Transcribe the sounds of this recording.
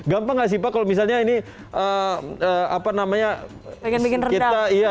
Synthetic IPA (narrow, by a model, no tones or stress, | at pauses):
ɡampaŋas̬ipakalomis̬alɲaini | əəapanamaɲa | knbikɪnrəiaaija